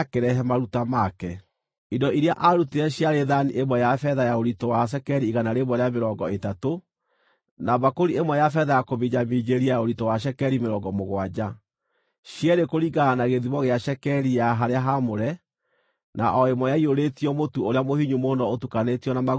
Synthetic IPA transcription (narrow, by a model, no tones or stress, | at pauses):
keɾɛɦɛmaɾutamakɛ | idɔʔiɾeaʔaɾuteɛɕjaɾeðaniʔemwɛjafɛðajaoɾitɔwaʃ̬ɛkɛɾiːɣanaɾeβwɔɾeameɾɔŋɡɔetato | naβakoɾiemwɛjafɛðajakoβiɲamid͡ʑeɾiajaoɾitɔwaʃ̬ɛkɛɾimeɾɔŋɡɔmoɣwad͡ʑa | ɕjɛɾekoɾiɡaːnaɣeðiβɔɣeaɕɛkɛɾijaɦaɾeaɦamoɾɛ | na̰ʔɔemɔjaioɾetiɔmotuoɾeamohiɲumonɔotukanetiɔnama